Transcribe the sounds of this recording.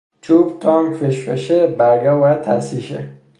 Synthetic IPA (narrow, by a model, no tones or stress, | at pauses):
t͡ʃʰuːbt̪ʰɒːŋkfeʃbḛʃebæɾɡɒːbɒːjæd̪̥̚t̪ʰæ̰siːʃḛ